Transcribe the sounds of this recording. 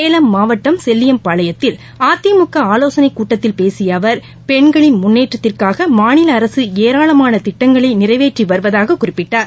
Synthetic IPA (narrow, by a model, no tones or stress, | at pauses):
eːlɐmːaːʋɐʈːɐmsɛlːɪjɐmpaːɭɐjɐt̪ːɪl | aːt̪ːɪjɐmʊkːɐaːloːsɐnɐɪkːuːʈːɐt̪ːɪlpeːsɪjɐʋɐɾ | pɛɳɡɐɭɪnmʊnːeːʈrɐt̪ːɪrkaːɣɐmaːnɪlɐːɾɐsɯeːɾaːɭɐmaːnɐt̪ɪʈːɐŋɡɐɭɐɪnɪrɐɪʋeːʈriʋɐɾɯʋɐðaːɣɐkːʊrɪpːɪʈːaːɾ